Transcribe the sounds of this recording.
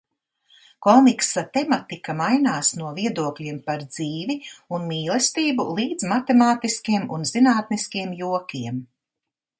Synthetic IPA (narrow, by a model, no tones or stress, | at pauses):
kɔmiksat̪emat̪ikamajnaːsnuɔviɛd̪uɔklʲiɛmpaɾd̪ziːviunmiːlˠest̪iːbṵlˠiːd̪z̥mat̪emaːt̪iskʲiɛmunz̥inaːt̪niskʲiɛmjuɔkʲiɛm